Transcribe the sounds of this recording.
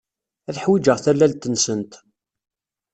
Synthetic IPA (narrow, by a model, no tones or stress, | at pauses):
æθħwid͡ʒəʁθælːælt̪ənsənt̪